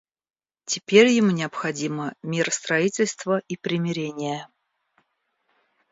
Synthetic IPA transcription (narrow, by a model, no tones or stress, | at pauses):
tʲɪpʲeɾʲjɪmunʲɪəpxɐdʲiməmʲɪrəst̪ɾɐitʲɪlʲst̪vəipɾʲɪmʲɪɾʲenʲɪjə